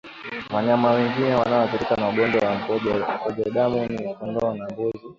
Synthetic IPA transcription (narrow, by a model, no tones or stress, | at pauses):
waɲamawɛŋɡinɛwanaɔpiɾikanauɡɔndwawam̩ɔm̩kɔʄaɗamuniukɔndɔanambɔzi